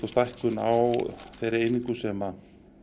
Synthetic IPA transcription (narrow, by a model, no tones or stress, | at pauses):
ast̪ajhkʏna̰wθejɾɪejniŋkʏsɛma